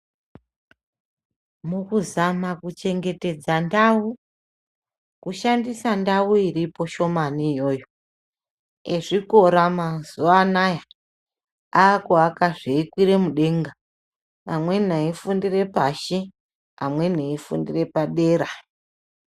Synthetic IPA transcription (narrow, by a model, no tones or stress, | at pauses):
mukuzamakut͡ʃe̞ŋɡe̞te̞d͡zandau | kuʃandisandauiripo̞ʃo̞maniːjo̞ːjo̞ | eʐiko̞ɾamazuanaja | aːkoakaʐeikwiɾe̞muɗe̞ŋɡa | amwe̞n̤aifundire̞paʃi | amwe̞n̤eifṵndire̞paɗe̞ːɾa